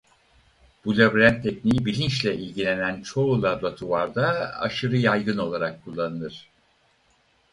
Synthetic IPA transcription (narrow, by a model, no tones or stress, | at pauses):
b̥ulʲabɾænt̪ʰːɛcnijibilʲint͡ʃlʲɛʔilʲɟilʲe̞nænt͡ʃʰo̞ulˠablˠat̪ʰuvaɾd̪aa̰ʃɯɾɯjajɡɯno̞lˠaɾakʰːulˠːanɯnɯɾ̥